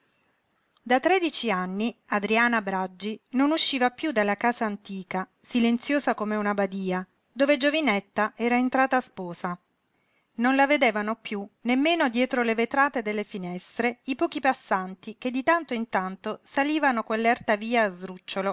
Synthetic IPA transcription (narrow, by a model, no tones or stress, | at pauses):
d̪at̪ːɾɛd̪it͡ʃianːiad̪ɾiaːnabɾad͡ʒːinonuʃːiːvapjud̪alːakaːzaːnt̪iːkasilent̪sjoːzakomeunabad̪iːa | d̪oːved͡ʒovinɛt̪ːaʔɛːɾaent̪ɾaːt̪aːspɔːza | nonlaved̪eːvanopjunemːeːnod̪jɛːt̪ɾolevet̪ɾaːt̪ed̪elːefinɛst̪ɾeipɔːk̟ipasːant̪iked̪ːit̪ant̪oint̪ant̪osaliːvanokwelːɛrt̪aviːaːzd̪ɾut͡ʃːolo